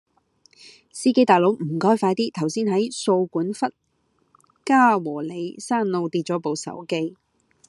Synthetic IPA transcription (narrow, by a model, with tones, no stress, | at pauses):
siː˥ke˥jt̪aː˨jlo˨˧˥wm̩˨˩kɔː˥jfaː˧jt̪iː˥t̪ʰɐ˨˩wsiː˥nhɐ˨˥jso˧wkuː˨˥nfɐ˥t̚ | kaː˥wɔː˨˩le˨˧jsaː˥nlo˧wt̪iː˧t̚t͡ʃɔ˨˥po˨˧wsɐ̰˨˥wke˥j